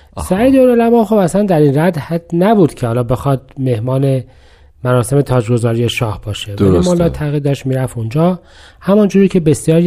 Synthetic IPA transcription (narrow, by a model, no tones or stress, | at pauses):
sæid̪eonolæmɒːχobæslænd̪æɾinræd̪hæd̪̥næbuːd̪̥cʰehɒːlɒːbe̞xɒd̪̥̚me̞hmɒːne̞ | mæɾɒːse̞me̞t̪ʰɒːd͡ʒɡo̞zɒːɾijeʃɒːhbɒːʃevæɾimolɒːt̪ʰːæɣiːɾd̪ɒːʃt̪miːɾæfond͡ʒɒː | hæmɒnd͡ʒuːɾiːcʰe̞be̞sjɒːɾ